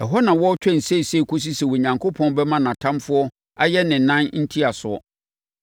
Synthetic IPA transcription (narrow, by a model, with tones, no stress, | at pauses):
ɛ˨ɦɔ˦nã˨wɔ˦t͡ɕᶣɛ˦˨n̩˨se˦˨se˦˨kʰu˦s̬i˦sɛ˨wɔ˨ɲã˨ŋkʰo˦pʰɔ̃˦n˦bɛ˦mã˦nã˨tʰã˦mfʊ˦ɔ˦ | a˦jɛ˦nɪ̃˨˦nã˦nn̩˦tʰi˦a˨sʊ˨ɔ̰˦